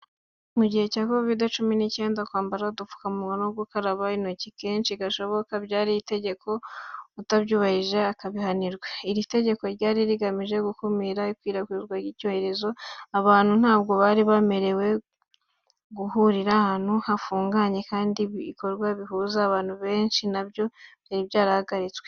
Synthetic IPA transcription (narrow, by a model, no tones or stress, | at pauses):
muɟihe̞caːko̞vidat͡ʃuminice̞ːndakwaːmbaɾaodufu̥kaumuɡanoɡukaɾaβainocikeːnt͡ʃiɡaʃo̞βo̞kabɟaːɾijite̞ɟe̞kʰo̞utaβɟuːβahiʒeakaβihaniɾɡwaiɾite̞ɟe̞ko̞ɾɟaːɾiɾiɡamiʒe̞ɡukumiɾaikwiːɾakwiːβɡwajicoheɾe̞zo̞aβaːn̥hun̥haːb̚ɡo̞βaːɾiβame̞ɾewe̞ | ɡuhuɾiɾahan̥huhafuːŋɡaɲe̞kaːndiiko̞ɾɡwaβiɦuzaːβaːn̥huβe̞ːnʃinabjo̞jaɾiβjaːɾahaɡaɾit͡swe